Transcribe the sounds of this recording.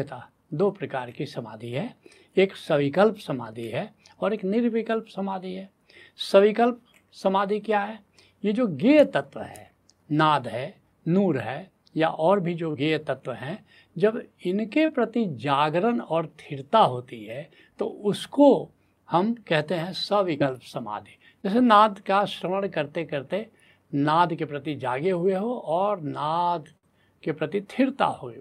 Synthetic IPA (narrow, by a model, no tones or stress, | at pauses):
t̪a | d̪oːpɾəkaːɾkisɐma̰ːd̪ʱiɦɛː | eːksəʋɪkəlpsɐma̰ːd̪ʱiɦɛɔːɾeːknɪɾʋɪkəlpsəmaːd̪ʱiɦɛː | səʋɪkəlp̚ | səmaːd̪ʱikjaɦɛː | jed͡ʒoːɡeːt̪ət̪wəɦɛ̃ː | naːd̪ɦɛː | nuːɾɦɛː | ja̰ʔɔːɾbʱid͡ʒoːɡet̪ət̪wəɦɛ̃ | d͡ʒəbɪnkepɾɐt̪id͡ʒaːɡɾənɔːɾt̪ʰɪɾt̪aɦoːt̪iɦɛː | t̪oʊsko | hɐmkɛɦt̪eɦɛ̃səʋɪkəlpsɐma̰ːd̪ʱe | d͡ʒɛːs̬enaːd̪kaʃɾəməɽ̃kɐɾt̪ekɐɾt̪e | naːd̪kepɾɐt̪id͡ʒaːɡeɦʊeɦoʔɔːɾnaːd̪ | kepɾɐt̪it̪ʰɪɾt̪a̰ɦoːɡe